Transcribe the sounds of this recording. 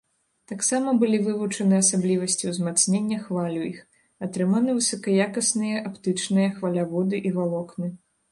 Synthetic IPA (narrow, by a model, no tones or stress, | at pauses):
t̪aksamɐbɨlʲivɨvut͡ʂɐnɨɐsablʲivɐsʲt͡sʲiwzmat̪snʲenʲːɐxvalʲuix | at̪ɾɨmanɨvɨsɐkɐjakɐsnɨjɐʔapt̪ɨt͡ʂnɨjɐxvɐlʲavɔd̪ɨʔivalˠɔknɨ